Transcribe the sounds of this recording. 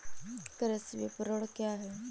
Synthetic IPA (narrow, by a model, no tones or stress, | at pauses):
kəɾəsʋḭpɾəɽkjaɦe